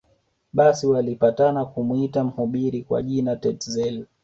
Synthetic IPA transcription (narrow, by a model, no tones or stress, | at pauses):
ɓasiwalipatanakumuitam̩huɓiɾikwa̰ʄinatɛtzɛl